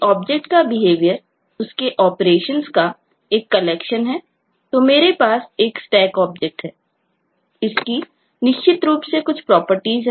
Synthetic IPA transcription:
ɔːb̚d͡ʒek̚ʈkabɪɦeːʋijəɾ | ʊskeʔɔːpɾeːʃənska | eːkːɐleːkʃənɦɛː | t̪omeːɾepaːseːksʈɛːkɔːb̚d͡ʒɛk̚ʈɦɛː | ɪski | nɪʃt͡ʃʰɪt̪ɾuːpsekʊt͡ʃʰpɾɔːpəɾʈiːzɦɛ

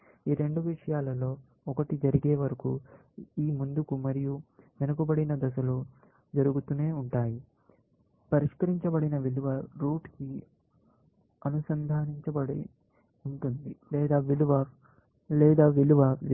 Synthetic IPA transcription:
iːɾe̞ɳɖuʋiʂɐjaːlɐlo̞ː | ɔkɐʈid͡ʒɐɾiɡeːʋɐɾɐku | iːmund̪ukumɐɾijuʋenɐkubɐɽinɐd̪ɐs̬ɐlu | d͡ʒɐɾuɡut̪uneːuɳʈaːji | pɐɾiʂkɐɾiɲt͡ʃɐbɐɽinɐʋiluʋɐɾuːʈki | ɐnusɐnd̪ʱaːniɲt͡ʃɐbɐɽi | uɳʈund̪ilɛːd̪aːʋiluʋɐ | lɛːd̪aːʋiluʋɐ

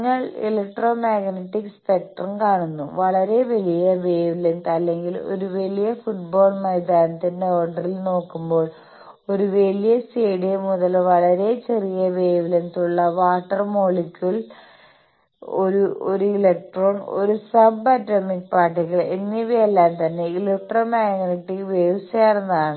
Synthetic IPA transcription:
ŋːɐɭḭlɐk̚ʈro̞ːmaːɡnɐʈːikspek̚ʈrɐnkaːɳunːṵʋɐɭɐɾe̞ʋɐlijɐbeːʋilent̪ɐlːe̞ŋɡilo̞̰ɾuʋelijɐfuʈ̚bo̞ːɭmɐjd̪aːnɐt̪ːindeoːɳɖɐrilno̞ːkːumbo̞ːɭ | o̞ɾuʋelijɐseːɽijmuðɐlʋɐɭɐɾe̞t͡ɕe̞rijɐbeːʋilent̪uɭːɐʋaːʈːɐrmoːɭikʲːuɭ | oɾuoɾuilek̚ʈro̞ːɳo̰ɾusɐbɐtːɐmikpaːʈːikːɐɭenːiʋielːaːnt̪ɐnːeilek̚ʈroːmaːŋɐniʈːiʋeːʋseːrɐnːɐðaːɳɨ

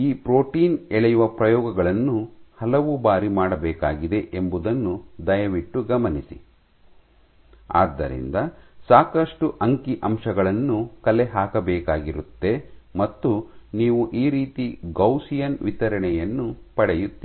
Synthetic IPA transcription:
iːpɾoːʈiːnɛɭɛjuʋɐpɾɐjɔːɡɐɡɐɭɐnːuhɐlɐʋubaːɾimaːɽɐbɛːkaːɡid̪e̞ʔembud̪ɐnːud̪ɐjɐʋiʈːuɡɐmɐnisi | a̰ːd̪ːɐ̰ɾḭnd̪ɐsaːkɐʂʈuʔɐŋkiʔɐmʂɐɡɐɭɐnːukɐlɛɦaːkɐbɛːkaːɡiɾut̪ːe̞mɐt̪ːuniːʋuʔiːɾiːt̪iɡɐwsijɐnʋit̪ɐɾɐɳɛjɐnːupɐɽɛjut̪ːi

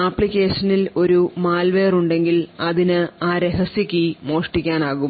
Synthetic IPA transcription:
aːpːɭikʲːe̞ːʂɐnilo̞ɾumaːlʋe̞ːruɳɖe̞ŋɡilɐðinɨaːɾeɦɐsjikʲːimo̞ːʂʈikʲːaːnaːɣu

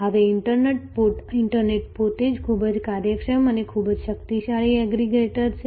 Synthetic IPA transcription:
ɦəʋeɪɳʈəɾneʈ̚poʈɪɳʈəɾneʈ̚pot̪ed͡ʒkʰubəd͡ʒkaɾjəkʃəmənekʰubəd͡ʒʃəkt̪iʃaɭiɛɡɾiɡeʈəɾt͡ʃʰe

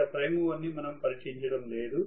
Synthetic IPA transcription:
ɐpɾɐjmuʋɐnːimɐnɐmpɐɾiʈiɲt͡ʃɐɽɐmle̞ːd̪u

